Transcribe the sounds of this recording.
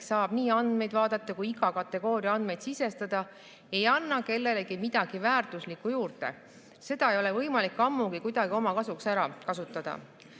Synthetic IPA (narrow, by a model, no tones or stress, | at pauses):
sɑːb̥niːɑnd̪me̞jd̪vɑːd̪̥ɑt̪ːˑɑkujiɡ̥ɑkɑt̪ːˑe̞ɡ̥o̞ːɾiɑɑnd̪me̞jd̪sise̞st̪ɑd̪̥ɑ | ejɑnːɑke̞lːe̞le̞ɡimid̪̥ɑɡ̥ivæːrt̪uslikːˑujuːrt̪e̞̰ | se̞d̪̥ɑe̞jo̞le̞vɤjmɑlikːˑɑmːuɡ̥ikujd̪ɑɡ̥io̞mɑkɑsuksæɾɑkɑsut̪ːˑɑd̪̥ɑ̰